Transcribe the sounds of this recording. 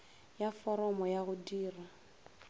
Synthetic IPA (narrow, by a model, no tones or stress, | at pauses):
jafɔɾɔmɔjaɣʊdiːra